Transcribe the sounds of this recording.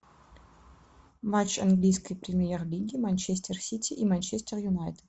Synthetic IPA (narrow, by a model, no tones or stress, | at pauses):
mat͡ɕɐnɡlʲijskəjpɾʲɪmʲɪjerlʲiɡʲɪmanʲt͡ɕesʲtʲersʲit̪ʲɪʔimanʲt͡ɕesʲtʲerjʊnajt̪ə̥t̪